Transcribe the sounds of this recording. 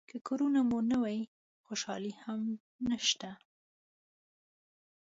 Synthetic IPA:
kəkoɾunamunawɑji | xoʃɑ̰liham | naʃt̪a

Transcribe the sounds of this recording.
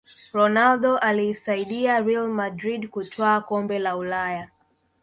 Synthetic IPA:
ɾɔnalɗɔʔalisaiɗiaɾilmadɾiɗkutʰwaːkɔmbɛlaulaja

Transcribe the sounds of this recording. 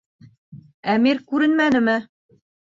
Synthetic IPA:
æmiɾkʉɾɘnmænɘ̆mɘ

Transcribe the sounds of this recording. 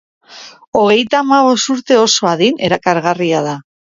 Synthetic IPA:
o̞ɣ̞e̞jt̪aːmaβ̞o̞st̪uɾt̪e̞o̞so̞aðine̞ɾakaɾɣariað̞a

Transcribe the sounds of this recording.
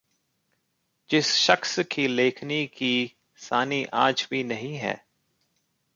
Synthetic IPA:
d͡ʒɪsʃəxskileːkʰniki | saːniʔa̰ːd͡ʒbʱinɐɦĩɦɛ̰ː

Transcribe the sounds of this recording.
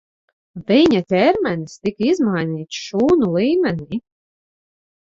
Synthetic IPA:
viɲat̪ʲɛɾmʲɛnist̪ikizmajnʲiːt̪ʃuːnulˠiːmʲɛnʲiː

